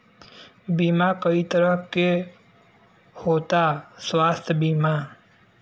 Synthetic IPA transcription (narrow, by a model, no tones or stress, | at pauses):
bimakəit̪əɾəɦke | hoːt̪aswaːst̪ʰbima